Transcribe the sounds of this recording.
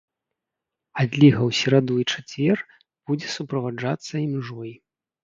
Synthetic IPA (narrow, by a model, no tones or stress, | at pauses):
ad̪ʲlʲiɣɐwsʲɛɾad̪ujit͡ʂat͡sʲvʲɛr | b̥ud͡zʲɛsupɾɐvad͡ʐat̪sːɐimʐɔj